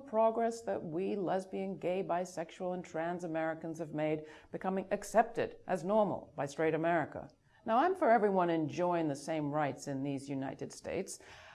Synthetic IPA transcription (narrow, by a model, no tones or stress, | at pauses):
pʰɹ̥ɑɡɹɛsðɨt̚wilɛzbiɨ̃nɡeɪbaɪsɛkʃul̩ˠə̃ntʰɹ̥æ̃nzɨmɛɹɨkə̃n̩z̥ɨvmeɪd̚b̥ɨkʰʌmɪ̃ŋɨksɛp̚tɨ̰ɾʔɨznɔɹml̩ˠbaɪstɹ̥eɪɾɨmɛɹɨkə̰ | naʊãɪ̃ɱfə˞ɛvɹiwʌ̃nɨ̃nd͡ʒɔɪɪ̃ŋðɨsẽɪ̃mɹaɪtsɨ̃nðizjʉna̰ɪɾɨd̥stḛɪts